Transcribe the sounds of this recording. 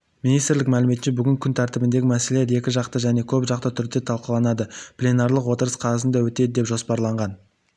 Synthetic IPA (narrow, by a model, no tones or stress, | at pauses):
minijst̪ɪɾlɪk̚mælɪmeɪnʃebʏɡʲɪŋkʲʰʏnt̪ʰæɾt̪ɪbɪnd̪e̞ɡʲɪmæseleeɾe̞kʲɪʒɑqt̪əʒæne̞kʲʰɵbʒɑq̚t̪ət̪ʰʏɾd̪e̞t̪ʰɑlˠqəlˠɑnɑd̪əplʲenɑɾlˠəqwo̞t̪əɾəsqʰɑɑsənd̪ɑwɵt̪e̞d̪ɪd̪e̞pʒo̞spɑɾlˠɑɴʁɑn